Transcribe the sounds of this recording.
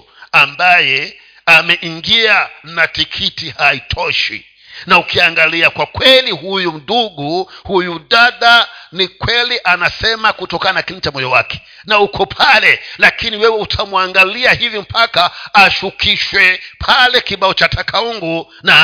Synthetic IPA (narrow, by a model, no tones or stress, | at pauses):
ambajɛ | amɛʔiŋɡianatikʰitihaitʰɔʃḭ | naukiaŋɡaliakwakwɛliɦujum̩ɗuɡuhujuɗaɗanikwɛliʔanasɛmakutɔkananakilnit͡ʃamɔjɔwakɛ̥ | naukʰɔpʰalɛlakiniwɛwɛutʰamwaŋɡaliahivim̩pʰakaːʃukʰiʃwɛpʰalɛkiɓaɔt͡ʃatʰakʰauŋɡu | na